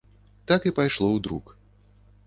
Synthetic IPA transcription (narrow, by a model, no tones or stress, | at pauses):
t̪akipajʂlˠɔwd̪ɾṵk